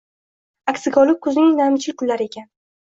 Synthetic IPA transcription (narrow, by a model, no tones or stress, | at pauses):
akʲsɪɡʲɒlˠɪk̚ʲkʰɵzɪnɪŋnamɪt͡ʃʰɪlkʰʊlːaɾɪe̞kʲʰan